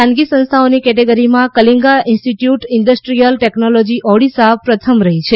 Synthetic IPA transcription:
ãnɡisə̃nst̪ʰaonikɛʈeɡəɾimãkəliŋɡaɪ̃nsʈiʈjuʈɪɳɖəsʈɾijəlʈeknolod͡ʒiʔɔɽisapɾət̪ʰəmɾəɦit͡ʃʰe

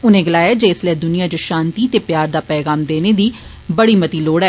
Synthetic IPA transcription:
ʊnẽːɡəlaːjaːd͡ʒeːɪslɛːd̪ʊnɪjaːt͡ʃoʃãːnt̪iːt̪eːpjaːɾd̪aːpɛːɡaːmd̪eːneːd̪iː | bəɽiːmət̪iːloːɽɛː

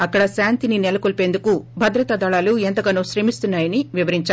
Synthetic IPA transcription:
ɐkːɐɽɐsaːnt̪ininɛlɐkolpe̞ːnd̪ukubʱɐd̪ɾɐt̪ɐd̪ɐɭaːluent̪ɐɡaːnuːʃɾe̞ːmist̪unːaːjɐniʋiʋɐɾiɲt͡ʃaː

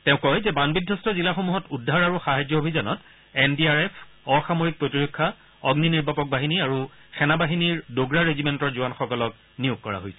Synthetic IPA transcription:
tɛ̃ʊ̃kɔjzɛbanbidʱːɔstɔzilaxomuɦɔtudʱːaɹaɹuxaɦajd͡ʒɔobʱizɔnɔt | ɛndiaɹɛpʰ | ɔxamoɹik̚pɹotiɹokʰːa | ɔɡniniɹbʱapɔk̚baɦiniaɹu | xɛnabaɦiniɹdoɡɹaɹezimɛntɔɹzuwanxɔkɔlɔk̚ | nijuɡ̚kɔɹa̰ɦojsɛ

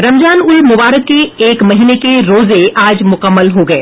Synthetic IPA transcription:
ɾɐmd͡ʒaːnʊlmʊbaːɾəkːeeːkmɐɦiːnekeɾoːzeaːd͡ʒmʊkəmːəlɦoɡɐeː

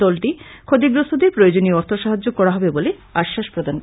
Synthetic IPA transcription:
ɔlʈikʰod̪iɡɾost̪ʰod̪eɾpɾojod͡ʑonioɔɾt̪ʰoʃaɦad͡ʑokɔɾaɦɔbebole | aʃːaʃpɾod̪ʱank

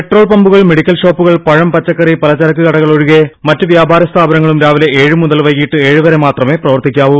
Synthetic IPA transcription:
peʈro̞ːɭpɐmbuɣɐɭme̞ɽikʲːɐlɕo̞ːpːuɣɐɭpɐɻɐmpɐt͡ɕːɐkːɐripɐlɐt͡ɕːɐɾɐk̬ːɨkɐɽɐɣɐɭo̞ɻuɣemɐtːɨʋjaːbʱaːɾɐst̪ʰaːbɐnɐŋːɐɭumɾaːʋileeːɻɨmuðɐlʋɐjɣiːʈːɨe̞ːɻuʋɐɾemaːt̪rɐme̞prɐʋɐrt̪ikʲːaːʋum

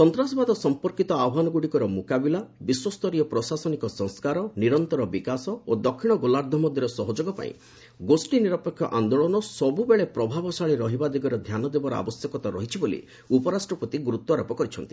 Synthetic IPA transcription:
sɔnt̪ɾasɔbad̪ɔsɔmpɔɾkit̪ɔaɔɦanɔɡuɽikɔɾɔmukabilabiswɔst̪ɔɾiɔpɾɔsasɔnikɔsɔ̃ŋskaɾɔniɾɔnt̪ɔɾɔbikasɔod̪ɔkʰːiɽ̃ɔɡolaɾd̪ʱɔmɔd̪ʱjɔɾɔsɔɦɔd͡ʒoɡɔpa̰ḭ̃ | ɡosʈiniɾɔpekʰjɔʔand̪oɭɔnɔsɔbubeɭepɾɔbʱabɔsaɭiɾɔɦibad̪iɡɔɾɔd̪ʱjanɔd̪ebɔɾɔa̰bɔsjɔkɔt̪aɾɔɦit͡ʃʰibolḭ | upɔɾasʈɾɔpɔt̪iɡuɾut̪wɔɾɔpɔkɔɾit͡ʃʰɔnt̪i̥

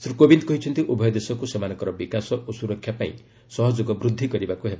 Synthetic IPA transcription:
sɾukobind̪kɔɦit͡ʃʰɔnt̪iʔubʱɔjɔd̪esɔkusemanɔkɔɾɔbikasɔʔosuɾɔkʰːjapaḭ̃ | sɔɦɔd͡ʒoɡɔbɾud̪ʱːikɔɾibakuɦeba

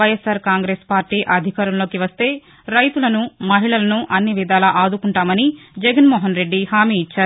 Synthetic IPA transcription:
ʋɐjesaːɾkaːŋɡɾe̞ːspaːɾʈiːʔɐd̪ʱikaːɾɐmlo̞ːkiʋɐst̪e̞ː | ɾɐjt̪ulɐnumɐɦiɭɐlɐnuʔɐnːiʋid̪aːlɐʔaːd̪ukuɳʈaːmɐnid͡ʒɛɡɐnmɔːɦɐnɾe̞ɖːihaːmiːt͡ʃːaːɾu

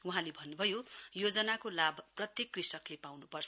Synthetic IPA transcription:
uɦãlebʱʌnːubʱʌjojod͡zʌnakolabʱprʌt̪jekːrisʌklepawnupʌrt͡sʰʌ

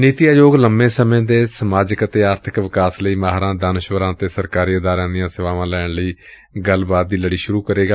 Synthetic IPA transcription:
niːt̪ɪjaːjoːɡləmbẽːsəmẽːd̪eːsəmaːd͡ʒɪkət̪eːaːɾt̪ʰɪkʋɪkaːsləiːmaːɦɾãːd̪anʃʋəɾãːt̪eːsəɾkaːɾiːɪd̪aːɾãːd̪ɪjãːsɪʋaːʋãːlɛːɳləiː | ɡəlbaːt̪̚d̪iːləɽiːʃʊɾuːkəɾeːɡaː

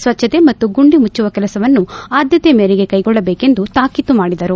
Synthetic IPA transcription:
sʋɐt͡ʃʰːɐt̪emɐt̪ːuɡuɳɖimut͡ʃːuʋɐkɛlɐsɐʋɐnːuaːd̪jɐt̪emeːɾiɡekɐjɡɔɭːɐbeːke̞nd̪ut̪aːkit̪umaːɽid̪ɐɾu

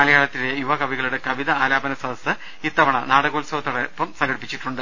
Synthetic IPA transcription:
ɐɭijaːɭɐt̪ːile̞juʋɐkɐbiɣɐɭuɽekɐʋiðɐaːlaːbɐnɐsɐd̪ʱɐsɨ | it̪ːɐʋɐɳɐnaːɽɐɣoːlsɐʋɐt̪ːɐɽɐpːɐmsɐŋɡɐɽipːit͡ɕːiʈːuɳɖɨ

